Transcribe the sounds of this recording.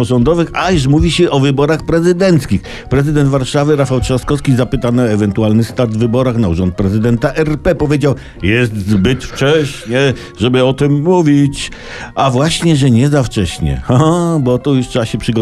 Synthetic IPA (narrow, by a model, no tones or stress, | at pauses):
ɔʐɔnd̪ɔvɘxajuʂ̬muvʲiɕɛʔɔvɘbɔɾaxpɾɛzɘd̪ɛnt̪skʲix | pɾɛzɨd̪ɛnd̪vaɾʂavɘɾafawʂɔskɔskʲizapɘt̪anɨɔɛvɛnt̪ualnɘst̪aɾd̪vɘbɔɾaxnauʐɔnt̪̚pɾɛzɘd̪ɛnt̪aʔɛɾpɛpɔvʲjed͡ʑaw | jɛst̪zbɘt̪ft͡ʂɛɕɲɛ | ʐɛbɘɔt̪ɘmːuvʲit͡ɕ | avwaɕɲɛʐɛɲɛzaft͡ʂɛɕɲɛ̰xaabɔt̪ɔjutʂaaɕɛpʂɘɡɔ